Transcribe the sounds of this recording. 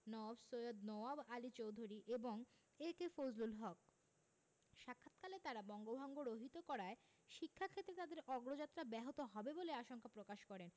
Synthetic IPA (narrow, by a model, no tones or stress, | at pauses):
nɔabsojod̪nɔabalit͡ɕowd̪ʱuɾiʔeboŋ | ekefod͡ʑlulɦɔk̚ | ʃakʰːat̪kalet̪aɾabɔŋɡobʱɔŋɡoɾoɦit̪okɔɾae | ʃikʰːakʰet̪ːɾet̪ad̪eɾʔɔɡɾod͡ʑat̪ːɾabɛɦot̪oɦɔbeboleaʃoŋkʰapɾokaʃkɔɾen